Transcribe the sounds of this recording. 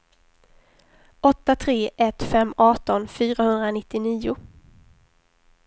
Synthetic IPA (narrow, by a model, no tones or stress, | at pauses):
ʔɔt̪ːat̪ʰɾeːʔɛt̪fɛmːɑːʈ̪ɔnfyːɾahɵnd̪ɾanɪt̪ːɪniːʊ